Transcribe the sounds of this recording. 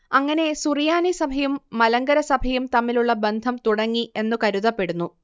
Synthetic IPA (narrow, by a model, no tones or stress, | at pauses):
ɐŋːɐne̞surijaːnisɐbʱɐjumːɐlɐŋɡɐɾɐsɐbʱɐjumt̪ɐmːiluɭːɐbe̞nd̪ʱɐmt̪uɽɐŋːiʔe̞nːukɐɾuðɐpːe̞ɽunːu